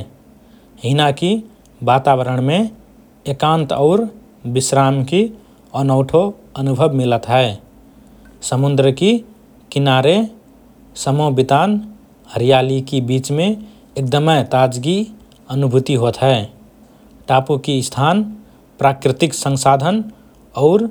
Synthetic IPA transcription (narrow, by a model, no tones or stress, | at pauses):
ɦɪnaki | baːt̪aːwəɾəɳ̃mẽ | ekãːnt̪ɔʊɾ | bɪsɾaːmki | ɔːnɔʊʈʰo | ənʊbʱəbmɪlət̪ɦɛː | səmʊnd̪ɾəki | kɪnaːɾe | səmobɪt̪aːn | həɾijaːlikibiːt͡ʃmẽ | ek̚d̪əməɪt̪aːd͡ʒɡi | ənʊbʱʊt̪iɦot̪ɦɛː | ʈaːpukist̪ʰaːn | pɾaːkɾɪt̪ɪksə̃ŋsaːd̪ʱən | ɔʊɾ